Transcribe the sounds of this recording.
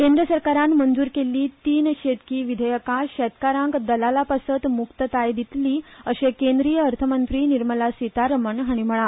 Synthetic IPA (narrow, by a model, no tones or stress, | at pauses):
kẽnd̪ɾəsəɾkaɾanmənd͡zuːɾkelːiːt̪iːnɕet̪kiːʋid̪ʱəjəkaɕɛt̪kaɾãŋkd̪əlalapasət̪mukt̪ət̪ajd̪it̪liːəɕekend̪ɾijəːɾt̪ʰəmənt̪ɾiːniɾməlasʋit̪aɾəməɳɦaɽ̃im̤əɭa